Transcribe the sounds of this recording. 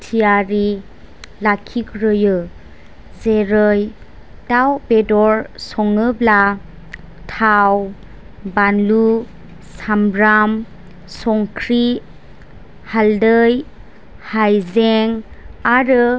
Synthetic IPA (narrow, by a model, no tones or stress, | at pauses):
tʰijaɾi | lakʰikɾɯjɯ | zeɾəj | dawbedɔɾsɔŋɯbla | tʰaw | banlu | samɾam | sɔŋkʰɾi | haldɯj | hajzeŋaɾɯ